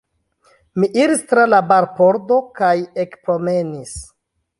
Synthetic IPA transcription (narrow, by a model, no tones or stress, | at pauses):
miʔiɾistɾalabaɾpo̞ɾdo̞kajekpɾo̞me̞nis